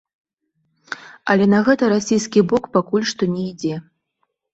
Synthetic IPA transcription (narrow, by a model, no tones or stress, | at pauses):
ɐlʲɛnɐɣɛt̪ɐɾasʲijskʲibɔkpakulʲʂt̪ɔnʲɛid͡zʲɛ